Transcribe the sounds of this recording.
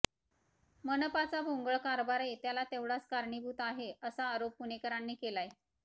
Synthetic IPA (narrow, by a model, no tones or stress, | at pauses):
mənəpat͡sabʱoŋɡəɭkaɾbaɾet̪jalat̪eʋɽat͡skaɾɳibʱuːt̪aɦeəsaːɾopːunekəɾanːiːkelaje